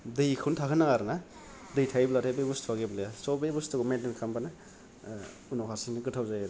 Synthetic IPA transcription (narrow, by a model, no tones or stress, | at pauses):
dɯjkʰuntʰakʰɯnaaɾna | dɯjtʰajblatʰajbebustʰwaɡeblejasɔbejbustɯɡumentinkʰambana | unawkʰasinɯɡɯtʰawzajaɾ